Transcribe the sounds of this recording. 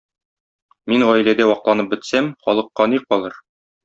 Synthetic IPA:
minʁɒjlæd̪æwɒqlˠɑnɤp̚bɘ̆t̪sæmχɒlˠɤ̆qːɑniqɒlˠɤɾ

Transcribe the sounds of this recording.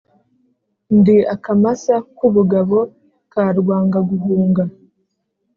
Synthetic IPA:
ndiakamasakuβuɡaβo̞ | kaːɾɡwaːŋɡaɡuvuːŋɡa

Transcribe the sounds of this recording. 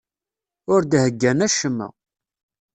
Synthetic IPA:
ʊɾd̪həɡːænæʃəmːə̰

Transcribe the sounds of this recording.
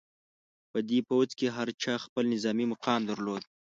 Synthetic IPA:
pəd̪epowt͡skeɦaɾt͡ʃɑxpəlnɪzɑmimʊqɑmd̪aɾlod̪̚

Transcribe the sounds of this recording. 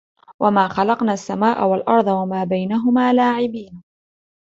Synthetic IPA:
wʔamaːxɑlɑqnaːsːamaːʔawalʔɑɾˤd̪ˤɑwamaːbajnaɦʊmaːlaːʕɪbiːn

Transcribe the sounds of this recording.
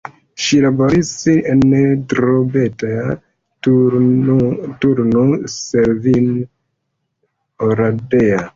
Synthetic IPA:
ʃilaboɾisːientɾobetaa | tuɾnoseɾvin | oɾadea

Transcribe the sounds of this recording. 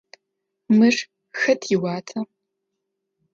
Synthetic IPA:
mɨʂ | xɐtʰjɪwaːtʰɐ

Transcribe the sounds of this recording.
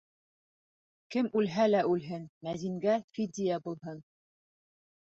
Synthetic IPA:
kɘmʉlɦælæʔʉlɦɘnmæðiŋɡæfid̪ʲijabulˠɦɤn

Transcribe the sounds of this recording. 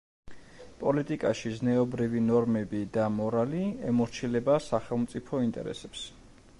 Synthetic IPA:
pʼɔlit̪ʼikʼaʃiznɛɔbɾivinɔɾmɛbid̪amɔɾaliɛmɔɾt͡ʃʰilɛbasaχɛlˠmt̪sʼipʰɔint̪ʼɛ̰ɾɛ̰sɛps

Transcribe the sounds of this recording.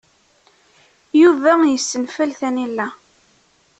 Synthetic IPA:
juvæjəsːənfælθænilːæ

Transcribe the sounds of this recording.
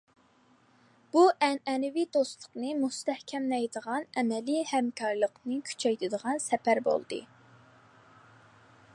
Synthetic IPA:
b̥uʔɛnɛnɪvid̪ost̪lˠəqnɨmust̪ɛhkʲʰɛmlɛjd̪əʁɑnɛmɛlihɛmkʰɑɾlˠəqnɨkʲʰy̥t͡ʃʰɛjt̪ʰɪd̪əʁɑnsɛpæɾbo̰lˠd̪ɨ̰

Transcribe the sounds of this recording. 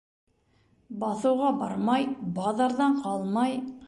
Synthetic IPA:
bɑθɤ̆wʁɑbɑɾmɑjbɑðɑɾðɑɴqɑlˠmɑj

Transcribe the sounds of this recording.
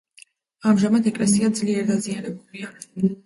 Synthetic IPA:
amʒamat̪ʰɛkʼlɛsiad̪zliɛɾd̪azianɛbulia

